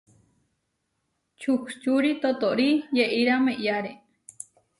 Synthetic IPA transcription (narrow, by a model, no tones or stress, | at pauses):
t͡ʃʰukt͡ʃuɾit̪ot̪oʔɾijeʔiɾameʔjaɾe